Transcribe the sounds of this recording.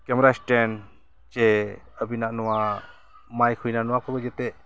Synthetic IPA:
kɛmɛɾasʈɛn | t͡ʃɛ | əbinaʔnɔwa | majkʰujnanɔwakʰɔbəd͡ʒɛt̪ɛʔ

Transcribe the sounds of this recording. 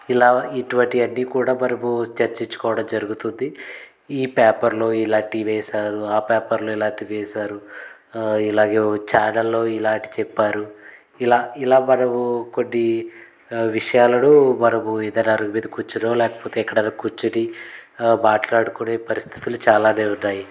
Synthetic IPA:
ilaːiʈuʋɐɳʈiɐnːiːkuːɽaːmɐnɐmut͡ʃɐɾt͡ʃiɲt͡ʃɐ̥kɔːʋɐɽɐmd͡ʒɐɾuɡut̪und̪i | iːpɛːpɐɾlo̞ːilaːɳʈiʋɛːsaːɾuaːpaːpɐɾlo̞ːilaːɳʈiʋɛːsaːɾu | ilaːɡeːt͡ʃaːɾnɐlːo̞ːilaːɳʈi̥t͡ʃɛpːaːɾu | ilaːilaːmɐnɐmuko̞nːi | ʋiʂɐjaːlɐnumɐnɐmuɛd̪ɐnaːɾumiːd̪ɐkut͡ʃːunoːlɛːkɐ̥poːt̪eːkːɐɽɐnɐkut͡ʃːuɽi | maːʈlaːɽukuneːpɐɾist̪ʰi̥t̪ulut͡ʃaːlaːne̞ːunːaːji

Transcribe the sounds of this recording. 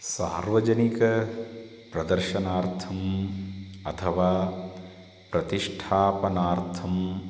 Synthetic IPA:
sa̰ːɾʋɐd͡ʒɐnikɐ | pɾɐd̪ɐɾʃɐnaːɾt̪ʰɐm | ɐt̪ʰɐʋaː | pɾɐt̪iʂʈʰaːpɐnaːɾt̪ʰɐm

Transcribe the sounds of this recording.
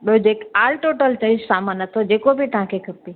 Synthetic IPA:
ɓɪod͡ʑeːkaːlʈoːʈəlt͡ɕɐ̃ĩsaːmãnɐt̪ʰod͡ʑeːkobʱit̪əɦãkʰekʰɐpi

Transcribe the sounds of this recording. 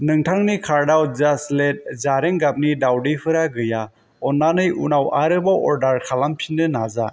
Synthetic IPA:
nɯŋtʰaŋnikʰaɾdawzaslet̚zaɾeŋɡap̚nidawdipʰɯɾaɡɯja | ɔnːanɯjunawaɾɯbaʔɔɾdaɾkʰalampʰindɯnaza

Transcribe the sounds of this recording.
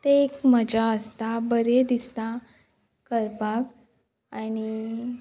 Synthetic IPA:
t̪eekməd͡ʑaəst̪abəɾed̪ist̪a | kəɾpak | añi

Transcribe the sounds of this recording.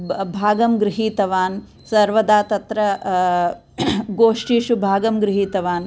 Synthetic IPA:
bʱaːɡɐmɡɾɪɦiːt̪ɐʋaːn | sɐɾʋɐd̪aːt̪ɐt̪ɾɐ | ɡoːʂʈiːʃubʱaːɡɐmɡɾɪɦiːt̪ɐʋaːn

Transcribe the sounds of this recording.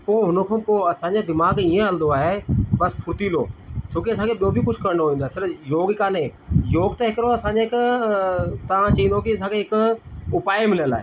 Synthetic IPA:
poːɦʊnəkʰãːpoːɐsãːɲd͡ʑed̪ɪmaːɡiːẽəld̪oaːɦebɐspʰʊɾt̪iːlo̰ːt͡ɕʰõːkiɐsãːkʰeɓijobʱikʊd͡ʑʰʱkɐɾnooːĩːnd̪oaɦesɪɾjoːɡkaːnẽːjoːɡt̪ɐɦɪkɾoɐsãːɲd͡ʑeɪk | t̪ɐʋ̤ãt͡ɕɐɦĩnd̪okiɐsãːkʰeɦɪkʊpaːemɪləla̰ːɦḛː

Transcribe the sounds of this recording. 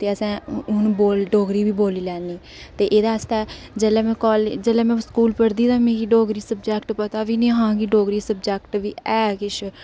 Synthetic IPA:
t̪eːəsɛ̃ːʊnboːlɖoːɡɾiːbiːboːliːlɛːniː | t̪eːʔeːd̪aːəst̪aː | d͡ʒəlɛːmɛ̃ːkɔːld͡ʒəlɛ̃ːmɛ̃ːskuːlpəɾd̪iːt̪aːmẽːkiːɖoːɡɾiːsəb̚d͡ʒɛːkʈpət̪aːʋiːnĩːɦãːɡiːɖoːɡɾiːsəbd͡ʒɛːkʈʋiːɛːkɪʃʰ

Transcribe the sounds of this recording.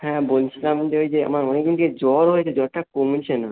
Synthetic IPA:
hɛ̃bolt͡ɕʰilamd͡ʑeɦojd͡ʑea̰maɾmaneɡinked͡ʑɔɾɦojt͡ɕʰed͡ʑɔɾʈakomut͡ɕʰena

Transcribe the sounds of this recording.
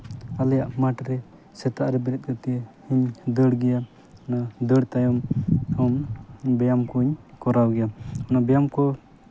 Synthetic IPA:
alɛjaʔmaʈɾɛ | sɛt̪aʔɾɛbɛɾɛt̪̚kat̪ɛjɛhiɲd̪əɽɡɛja | ɔnad̪əɽt̪ajɔmɔmbɛjamkuɲkɔɾawɡɛjaɔnabɛjamkɔ

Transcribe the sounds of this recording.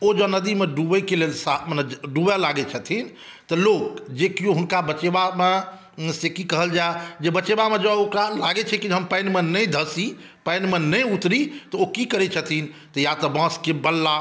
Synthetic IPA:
od͡ʒɔnəd̪imeɖubəkelelsamnɖubɛlaɡɛt͡ʃʰət̪ʰin | t̪ɔlokd͡ʒekijoɦunkabət͡ʃebame | sekikəɦəld͡ʒaed͡ʒebət͡ʃebamed͡ʒɔokɾalaɡɛt͡ʃʰɛkid͡ʒɦəmpəjnmenəjd̪ʱəsi | pəjnmenəjut̪ɾit̪ɔokikəɾɛt͡ʃʰət̪ʰint̪ɔjat̪ɔbãskebəlːa

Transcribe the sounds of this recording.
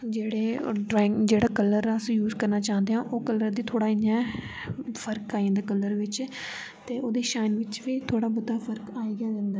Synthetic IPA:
d͡ʒeːɽeːɖɾaːɪ̃ŋd͡ʒeːɽaːkələɾaːəsĩːjuːzkəɾnaːt͡ʃaːnd̪eːɦãːʔoːkələɾd̪iːt̪ʰoːɽaːɪnãː | fʰəɾkaːiãːd̪aːkələɾʋɪt͡ʃ | t̪eːʔoːd̪iːʃaːnʋɪt͡ʃʋiːt̪ʰoːɽaːbʊd̪aːfʰəɾkaːiːɡaːd͡ʒə̃nd̪aː

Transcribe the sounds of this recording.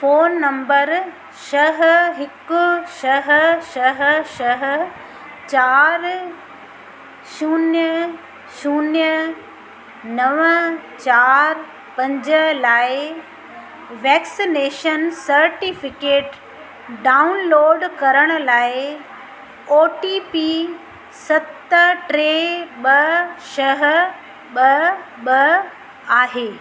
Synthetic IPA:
foːnːɐ̃mbəɾ | ʃɐɦɦɪkʊʃɐɦʃɐɦʃɐɦ | t͡ɕaːɾ | ʃuːnjə | ʃuːnjə | nɐʋət͡ɕaːɾ | pɐ̃ɲd͡ʑəlaːɪ | ʋɛːksineːʃənsɐɾʈifɪkeːʈ | ɖaːʊnloːɖkɐɾəɽ̃ʊ̆laːɪ | oːʈiːpi | sɐt̪ʈɾeɓɐʃɐɦ | ɓɐ | ɓɐ | aːɦeː

